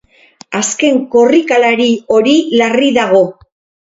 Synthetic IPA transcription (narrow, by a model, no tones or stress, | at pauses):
aske̞ŋko̞rikalaɾio̞ɾilariðaɣ̞o̞